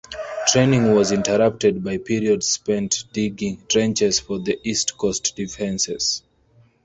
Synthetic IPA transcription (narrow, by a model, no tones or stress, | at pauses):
tʰɹẽnĩŋwɔzĩntʰəɹʌp̚tɛd̚baɪpʰiɹiɔdzspɛ̃ntd̥iɡĩŋtʰɹɛ̃nt͡ʃɛz̥fɔðiʔistkʰɔstd̥ifɛ̃nsɛz̥